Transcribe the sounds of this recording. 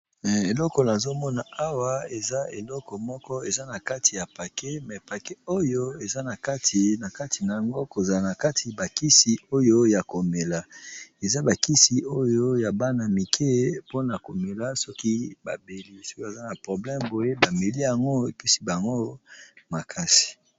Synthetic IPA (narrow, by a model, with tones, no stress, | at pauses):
e˨lɔ˦kɔ˨na˨zo˦mɔ˦na˨a˦wa˦e˨za˦e˨lɔ˦kɔ˨mɔ˦kɔ˦e˨za˦na˨ka˦tʰi˨ja˨pa˨ke˦mɛ˨pa˨ke˦o˦jo˦e˨za˦na˨ka˦ti˨na˨ka˦tʰi˨na˨a˨ŋɡo˦ko˨za˨la˨na˨ka˦tʰi˨ba˨ki˦si˨o˦jo˦ja˨ko˨me˨la˨e˨za˦ba˨ki˦si˨o˦jo˦ja˨ba˦na˨mi˨kʰe˦po˦na˨ko˨me˨la˦sɔ˦ki˦ba̰˨be˨li˦sɔ˦ki˦ba˨za˦na˨pʁo˨blɛ˦mbo˨je˦ba˨me˨li˦ja˨ŋɡo˦e˨pi˦si˦ba˨ŋɡo˦ma˨kʰa˦si̥˨